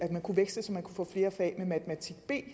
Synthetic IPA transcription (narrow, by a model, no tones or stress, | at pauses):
æd̥mænkʰuʋeɡ̥səsɒ̽mːænkʰufɔ̰̽ːfle̝ːɐfɛ̰ːmemæt͡sʰemæt͡sʰiɡ̥b̥e̝̰ː